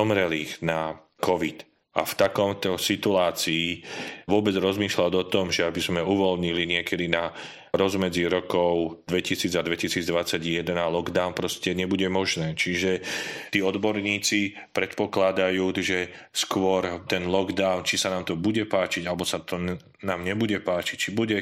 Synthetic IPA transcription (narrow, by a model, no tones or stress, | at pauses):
ɔmɾɛliɣna | kɔʋit̪ | a̰ft̪akɔmt̪ɔsit̪uaːt͡siːʋʊɔbɛd͡zɾɔzmiːʃladɔt̪ɔmʒɛabizmɛuʋɔlɲiliɲɪɛkɛd̪ina | ɾɔzmɛd͡ziɾɔkɔʊd̪ʋɛcisiːd͡zad̪ʋɛcisiːd͡zd̪ʋat͡saɟjɛd̪ɛnalɔɡd̪aʊnpɾɔscɛɲɛbuɟɛmɔʒnɛːt͡ʃiʒɛt̪iːɔd̪bɔɾɲiːt͡si | pɾɛt̪pɔklad̪ajuːʒɛ | skʊɔɾt̪ɛnlɔɡd̪aʊnt͡ʃisanaːmt̪ɔbuɟɛpaːt͡ʃiɟalɛbɔsat̪ɔ | naːmɲɛbuɟɛpaːt͡ʃic̚t͡ʃibuɟɛ